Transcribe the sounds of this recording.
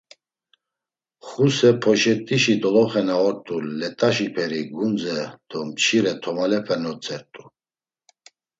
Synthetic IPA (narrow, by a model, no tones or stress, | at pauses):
χusɛpʰɔʃɛt̪ʼiʃid̪ɔlɔχɛnaɔɾt̪ʼuːɛt̪ʼaʃipʰɛɾiɡund͡zɛd̪̥ɔmt͡ʃʰiɾɛt̪ʰɔmalɛpʰɛnɔt͡sʼɛɾt̪ʼu